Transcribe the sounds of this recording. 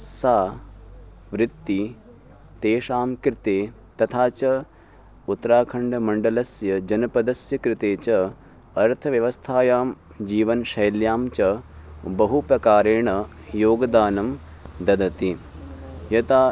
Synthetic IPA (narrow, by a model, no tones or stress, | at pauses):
saː | ʋɾɪt̪ːi | t̪eːʃaːmkɾɪt̪eː | t̪ɐt̪ʰaːt͡ʃɐ | ut̪ːɾaːkʰɐɳɖɐmɐɳɖɐlɐsjɐd͡ʒɐnɐpɐd̪ɐsjɐkɾɪt̪eːt͡ʃɐ | ɐɾt̪ʰɐʋjɐʋɐst̪ʰaːjaːm | d͡ʒiːʋɐnʃɐjljaːmt͡ʃɐbɐɦupɾɐkaːɾeːɳɐjoːɡɐd̪aːnɐm | d̪ɐd̪ɐt̪i | jɐt̪aː